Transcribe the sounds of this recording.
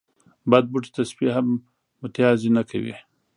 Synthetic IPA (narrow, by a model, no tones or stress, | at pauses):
bad̪̚buʈi̥t̪asbiɦamː | ʊt̪jɑzinakʰa̰wḭ